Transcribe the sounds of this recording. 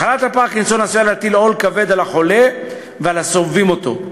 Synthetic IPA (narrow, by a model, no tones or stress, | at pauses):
alat̪hapaːkinsonasialat̪ilo̞lkave̞d̪alaχo̞le̞ | vealasovimo̞t̪o̞̰